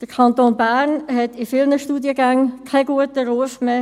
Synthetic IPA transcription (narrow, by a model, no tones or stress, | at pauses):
d̥əkʰɑnt̪oːnbæːʁnɦɛtɪfɪlnəʃtuːdiəɡaŋkʰaɡuətəɾuəfmeː